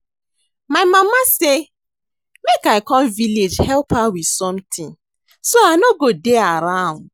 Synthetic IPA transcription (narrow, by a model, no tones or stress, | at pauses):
maɪmamase | mekaɪkɔ̃mviled͡ʒhɛlpawidsɔ̃mtʰĩn | soanoɡodeaɾãʊ̃nd